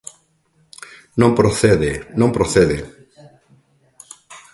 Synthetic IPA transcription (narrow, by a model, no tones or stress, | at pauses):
nõmpɾoθeðenõmpɾoθeðe